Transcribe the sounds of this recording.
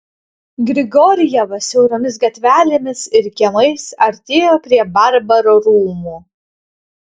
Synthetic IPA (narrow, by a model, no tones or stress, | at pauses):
ɡɾʲɪɡɔɾʲɪjɛʋɐsʲɛʊɾoːmʲɪs̬ɡɐt̪ʲʋʲæːlʲɪmʲɪsɪɾkʲɛlˠɐɪsɐɾʲt̪ʲeːjoːpʲɾʲiɛbɐɾbɐɾoːɾuːmuː